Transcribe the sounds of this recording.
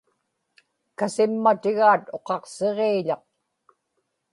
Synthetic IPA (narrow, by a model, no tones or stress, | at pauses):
kasɪmːat̪ɪɣaːt̪o̞qɑqseʁeːʎɑq̚